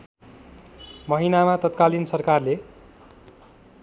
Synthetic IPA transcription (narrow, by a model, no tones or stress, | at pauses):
mʌɦinamat̪ʌt̪̚kalinsʌrkarle